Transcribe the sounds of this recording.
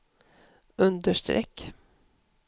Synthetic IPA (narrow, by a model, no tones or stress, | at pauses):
ɵnd̪əʂt̪ɾʔɛ̰kː